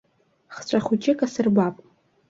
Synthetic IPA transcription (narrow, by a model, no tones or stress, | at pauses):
χt͡ʃʷʰʼaχut͡ʃʼɪkʼasɨrbapʼ